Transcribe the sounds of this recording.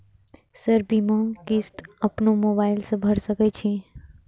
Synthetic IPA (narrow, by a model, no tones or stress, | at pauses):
səɾbimãkist̪əpnomobaɪlsə̃bʱəɾsəkɛt͡ʃʰi